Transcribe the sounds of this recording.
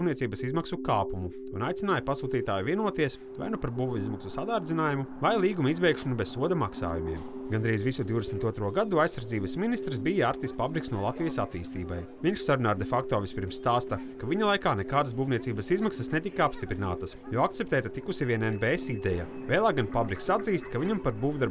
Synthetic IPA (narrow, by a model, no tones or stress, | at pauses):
niɛsiːbəsizmaksukaːpumu | unajt̪inaːjɐpasuːt̪iːt̪aːjuviɛnuɔt̪iɛs | va̰jnupaɾbuːvuizmaksusad̪aːɾd̪zʲinaːjumuvajlˠiːɡumizbɛjkʃɐnubɛzsuɔd̪ɐmaksa̰ːjumḭɛm | ɡand̪ɾiːzʋisud̪iwd̪esmnʲt̪uɔt̪ɾuɔɡad̪uajsːaɾdziːbəsminist̪ɾsbijaaɾt̪ispabɾiksnuɔlˠat̪vijəsat̪ḭːst̪iːba̰j | viɲʃsaɾunaːɾd̪efak̚t̪oːvisʲpʲiɾmsst̪aːst̪ɐkaʋiɲalˠajkaːnɛkaːd̪əsbuːvniɛt̪iːbəsizmaksɐsnet̪ikaapst̪ipɾina̰ːt̪ɐsjɔːak̚t̪sept̪ɛːt̪at̪ikusivʲiɛnɛnbeːesid̪ɛja̰ | veːlˠaːɡanpabɾiksad̪ziːst̪kaviɲampaɾbuːvd̪aɾ